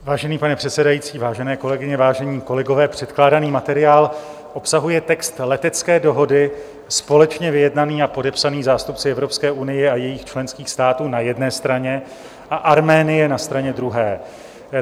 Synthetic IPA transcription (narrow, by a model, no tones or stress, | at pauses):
vaːʒɛniːpanɛpr̥ɛt̪sɛdajiːt͡siːvaːʒɛnɛːko̞lɛɡɪɲɛvaːʒɛɲiːko̞lɛɡo̞vɛːpr̝̥ɛt̪klaːdaniːmat̪ɛɾɪjaːl | ʔo̞psaɦujɛt̪ɛkst̪lɛt̪ɛt͡skɛːdo̞ɦo̞dɪ | spo̞lɛt͡ʃɲɛvɪjɛdnaniːapo̞dɛpsaniːzaːst̪upt͡sɪɛvɾo̞pskɛːʔunɪjɛajɛjixt͡ʃlɛnskiːxst̪aːt̪uːnajɛdnɛːst̪ɾaɲɛ | ʔaʔaɾmɛːnɪjɛnast̪ɾaɲɛd̪ɾuɦɛː